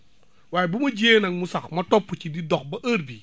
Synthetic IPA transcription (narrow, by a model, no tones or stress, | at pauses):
waːjɛbumɐɟeːnɐŋmusɐxmɐtɔpːucididɔk̚bɐʔɐɾbi